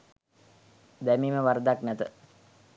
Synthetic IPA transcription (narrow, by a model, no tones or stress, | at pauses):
d̪æmiːməʋaɾəd̪aknɛt̪ə